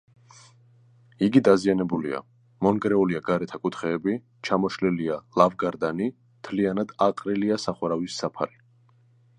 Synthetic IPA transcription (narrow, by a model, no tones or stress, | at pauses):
iɡid̪azianɛbulḭa̰ | mɔnɡɾɛuliaɡaɾɛt̪ʰakʼut̪ʰχɛːbi | t͡ʃʰamɔʃlilialˠavɡaɾd̪ani | mt̪ʰlianad̪aqʼɾiliasaχwaɾavisːapʰa̰ɾi